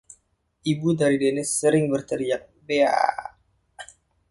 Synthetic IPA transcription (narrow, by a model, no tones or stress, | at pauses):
ʔibudaɾidenɪsəɾɪŋbərt̪əɾiak̚bea̰